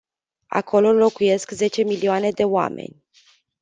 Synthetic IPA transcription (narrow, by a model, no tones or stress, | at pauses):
a̰kʰo̞lo̞lo̞kuje̞skze̞t͡ʃe̞milioane̞d̪e̞oa̰me̞̰nʲ